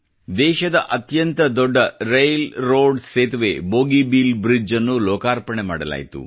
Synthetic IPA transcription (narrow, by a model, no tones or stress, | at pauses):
d̪ɛːʃɐd̪ɐ̰ʔɐt̪jɐnt̪ɐd̪ɔɖːɐɾejlɾoːɖseːt̪ʋḛboːɡibilbɾid͡ʒɐnːulɔːkaːɾpɐɳema̰ːɽɐla̰ːjit̪ṵ